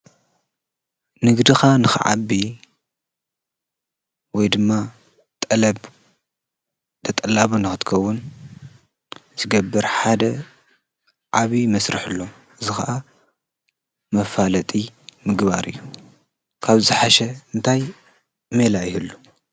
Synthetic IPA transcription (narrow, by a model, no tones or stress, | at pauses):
nɨɡd̪ixanɨxɨ̰ʕa̰βi | wɔjd̪ɨmːa | t̪ʼɐlɐb | t̪ʰɐt̪ʼɐlːaβunɨxɨt̪kʰɐwːʊn | zɨɡɐbːɨɾħad̪ɐ | ʕaβimɐsɾɨħɨlːo̞ | ʔɨzɨxaʔa | mɐfalɐt̪ʼimɨɡβa̰ɾɨ̰jːu | kʰaβzɨħaʃɛɨnt̪ʰaj | melajɪhɨlːu